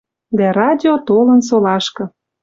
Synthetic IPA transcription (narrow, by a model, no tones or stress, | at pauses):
d̪æɾɑdʲiot̪olə̆nsolɑʃkɤ̆